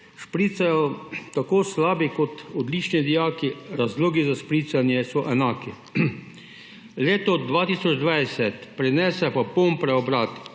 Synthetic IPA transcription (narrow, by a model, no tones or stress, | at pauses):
ʃpɾiːt̪sajɔt̪akoːslaːbikɔt̪ɔd̪lit͡ʃnid̪ijaːkiɾazloːɡizaʃpɾiːt̪sanjɛsɔʔɛnaːki | leːt̪ɔd̪ʋaːt̪iːsɔd͡ʒd̪ʋajsɛt̪pɾɛnɛsɛpapompɾɛɔbɾaːt̪